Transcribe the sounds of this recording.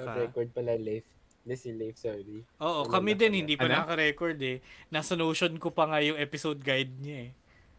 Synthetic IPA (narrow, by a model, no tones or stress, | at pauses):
ɾɛkoɹd̪̚pɐlalejf | lɛsilejfsɔɾiʔoːʔokɐmɪd̪ɛnhɪnd̪iːpɐnɐakɐɾɛkoɹd̪ɛnasɐnoːʃonkopɐŋajʊŋʔɛːpɪsowd̪̚ɡajd̪̚ɲɐɛ